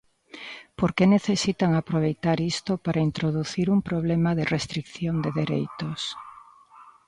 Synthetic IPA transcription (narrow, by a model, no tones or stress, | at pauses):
poɾkeneθesit̪aŋapɾoβ̞ejt̪aɾist̪opaɾʔaint̪ɾoðuθiɾumpɾoβ̞lemaðerest̪ɾikθjond̪eðeɾḛjt̪os